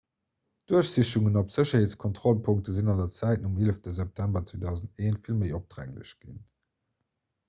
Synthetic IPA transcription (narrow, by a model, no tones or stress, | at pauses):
d̥uɐɕz̥iɕtuŋənopz̥əɕɐheːt͡skʰɔntʁɔlpʰʊŋk̚təzinɑndɐt͡sæɪtnumeləftəzɛp̚tʰæmbɐt͡sveːdɑʊzənteːnfilməɪop̚d̥ʁæ̰ŋlə̰ɕɡ̥ḭn